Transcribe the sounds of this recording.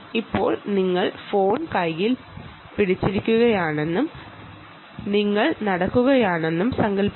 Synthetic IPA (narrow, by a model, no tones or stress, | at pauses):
ipːo̞ːɭniŋːɐɭfo̞ːnkɐjjil | piɽit͡ɕːiɾikʲːuɣɐjaːɳe̞nːum | niŋːɐɭnɐɽɐkːuɣɐjaːɳe̞nːumsɐŋɡɐlpː